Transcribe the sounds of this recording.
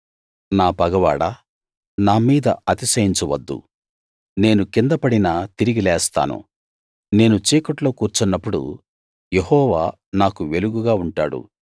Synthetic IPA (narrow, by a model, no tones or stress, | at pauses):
naːpɐɡɐʋa̰ːɽɐ | naːmiːd̪ɐ̰ɐt̪isɐjiɲt͡ʃɐʋɐd̪ːṵ | ne̞ːnukind̪ɐpɐɽinat̪iɾiɡilɛːst̪a̰ːnṵ | ne̞ːnut͡ʃeːkɐʈlo̞ːkuːɾt͡ʃunːɐpːuɽṵ | jehɔːʋaː | naːkuʋe̞luɡuɡaːuɳʈaːɽṵ